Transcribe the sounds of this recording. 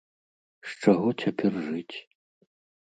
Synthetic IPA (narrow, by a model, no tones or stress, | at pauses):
ʂt͡ʂaɣɔt͡sʲapʲɛrʐɨt͡sʲ